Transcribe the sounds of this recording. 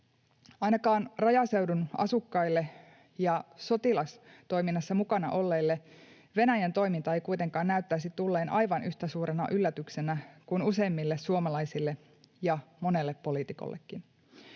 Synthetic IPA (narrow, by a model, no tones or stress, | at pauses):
ɑjnɑkɑːnrɑjɑse̞wdunʔɑ̰sukːɑilːe̞ | jɑso̞t̪ilɑst̪o̞jminːɑsːɑmukɑnɑ̰ʔo̞lːeːlːe̞ | ʋe̞næjænt̪o̞jmint̪ɑe̞jkuit̪e̞ŋkɑːnnæyt̪ːæisit̪ulːe̞ːnʔɑ̰jʋɑnyçt̪æsuːɾenɑ̰ʔylːæt̪ykse̞nækunuse̞ːmːilːessuomɑlɑisilːe | jɑmo̞ne̞lːepːo̞liːˑt̪iko̰lːḛkːin